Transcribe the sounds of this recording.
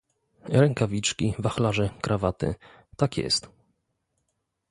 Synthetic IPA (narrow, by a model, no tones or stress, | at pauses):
ɾɛŋkavʲit͡ʂkʲivaxlaʐɛkɾavat̪ɘ̰ | t̪akʲjɛ̰st̪